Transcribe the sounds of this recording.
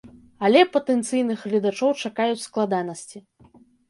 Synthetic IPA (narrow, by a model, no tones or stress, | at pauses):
ɐlʲɛpɐt̪ɛnt̪sɨjnɨxɣlʲɐd̪at͡ʂɔwt͡ʂakajut͡sʲsklˠad̪anɐsʲt͡sʲi